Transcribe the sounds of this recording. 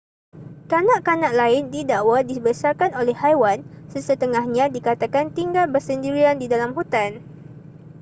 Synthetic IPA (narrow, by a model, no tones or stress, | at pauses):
kanãʔkanãʔlaɪndidaʔwadibəsarkanolɛhhajwansəsət̪əŋahɲãdikat̪akant̪iŋɡalbərsəndiɾiandidalamɦut̪an